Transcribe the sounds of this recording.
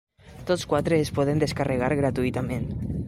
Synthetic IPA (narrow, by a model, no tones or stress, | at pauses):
t̪ot͡skwat̪ɾeːspɔð̞end̪eskareɣ̞aɾɣɾat̪uit̪amẽn